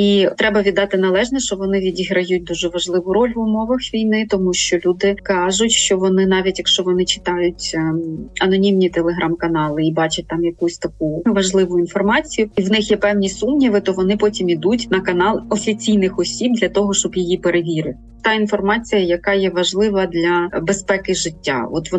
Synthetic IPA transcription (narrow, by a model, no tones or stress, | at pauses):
it̪ɾɛbɐʋʲid̪ɑt̪ɪnɐlˠɛʒnɔʃt͡ʃɔʋɔnɪʋʲidʲiɦɾɐjut̚ʲd̪uʒɛʋɐʒlˠɪʋʊɾɔlʲʋʊmɔʋɐxʋʲijnɪt̪ɔmuʃt͡ʃɔlʲud̪ɪkɑʒʊtʲʃt͡ʃɔʋɔnɪnɑʋʲitʲjɐkʃt͡ʃɔʋɔnɪt͡ʃɪ̥t̪ɑjʊtʲ | ɐnɔnʲimnʲit̪elˠeɦɾʔɑmkɐnɑlˠɪibɑt͡ʃɐt̚ʲt̪ɑmjɐkusʲt̪ɐk̚uʋɐʒlˠɪʋʊinfɔrmɑt͡sʲijʊiwnɪxjɛpɛwnʲisumnʲiʋɪt̪ɔʋɔnɪpɔtʲimid̪utʲnɐkɐnɑlˠɔfʲit͡sʲijnɪxɔsʲib̚d̪lʲɐt̪ɔɦɔʃt͡ʃɔbjijipeɾeʋʲiɾɪt̪ɪt̪ɑinfɔrmɑt͡sʲijɐjɐkɑjɛʋɐʒlˠɪʋɐd̪lʲɐbespɛkɪʒɪtʲːa̰ɔt̪ʋɔ